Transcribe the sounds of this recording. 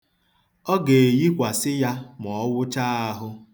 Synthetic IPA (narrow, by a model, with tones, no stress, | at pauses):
ɔ˦ɡe˨e˨ji˦kʷa˨sɪ˦ja˦m˨ɔ˨˦wʊ˦t͡ʃa˦a˦ɦʊ˦